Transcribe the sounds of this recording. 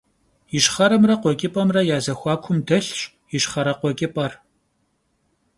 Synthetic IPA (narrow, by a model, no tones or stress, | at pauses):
jɪʃχɐɾɐmrɐqʷɔkʲʼɪpʼɐmrɐjaːzɐxʷɑːkʷʰʊmdɐɬɕʼ | jɪʃχɐɾɐqʷɔkʼɪpʼɐr